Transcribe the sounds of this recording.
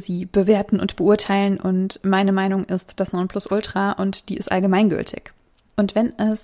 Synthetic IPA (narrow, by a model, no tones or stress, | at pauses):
ziːb̥əveːɐtn̩ʔʊ̰ntb̥əʔuɐtʰaɪlənʔʊntmaɪnəmaɪnʊŋʔɪstd̥asnɔnpʰlʊsʔʊltʁ̥aʔʊntd̥iːʔɪstʔa̰lɡəmaɪnɡʏ̰ltʰɪ̰ç | ʔʊntv̥ɛnʔɛs